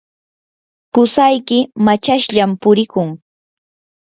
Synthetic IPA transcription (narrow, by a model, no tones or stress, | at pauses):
kʊsajkɪmat͡ʃaʃʎampʊɾɪkʊŋ